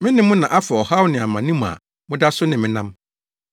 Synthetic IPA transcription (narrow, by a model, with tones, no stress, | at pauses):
mɪ̃˦nɪ̃˦mʊ̃˦nã˨ʔa˦fa˨ɔ˨ha˦wʊ˦nɪ̃˨a˨mã˨nĩ˦m˨a̰˨ | mʊ̃˦da˦sʊ˦nɪ̃˨mɪ̃˦nã˦m